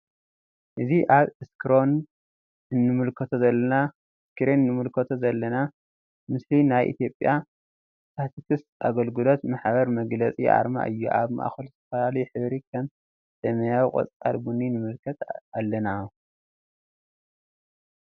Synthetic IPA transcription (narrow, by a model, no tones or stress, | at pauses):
ʔɨziʔaβɨskʰɨɾo̞n | ɨnːɨmɨlkʰɐt̪ʰozɐlːɐna | skɨɾennɨmɨlkʰɐt̪ʰozɐlːɐna | mɨslinajʔḭt̪ʰjo̞pʼja | t̪ʰat̪ʰit̪ʰɨst̪aɡɐlɡɨlo̞t̪maħbɐɾmɐɡlɐt͡sʼiʔa̰ɾma̰ʔɨjːṵʔa̰βma̰ʔa̰xulzɨt̪ʰɐfɐlalɐjuħɨβɾikʰɐm | sɐmɐjawiqʼɐ̰t͡sʼt͡sʼa̰lbuninɨmɨlkʰɐt̪alːɐna